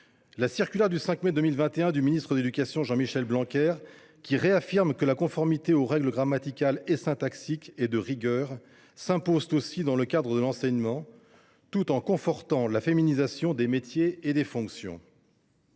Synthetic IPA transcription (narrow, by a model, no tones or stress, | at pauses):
lasiʁkʲylɛʁd̪ysɛ̃kmɛd̪ømilvɛ̃t̪eɛ̃d̪yminist̪χəd̪ed̪ykasjɔ̃ʒɑ̃miʃɛlblɑ̃kʲɛʁ | kʲiʁeafiʁmkəlakɔ̃fɔʁmit̪eoʁɛɡləɡʁamat̪ikalesɛ̃t̪aksiked̪əʁiɡʲœːʁ | sɛ̃pozt̪osid̪ɑ̃ləkad̪ʁəd̪əlɑ̃sɛɲmɑ̃ | t̪ut̪ɑ̃kɔ̃fɔʁt̪ɑ̃lafeminizasjɔ̃d̪emet̪jeːd̪efɔ̃ksjɔ̰̃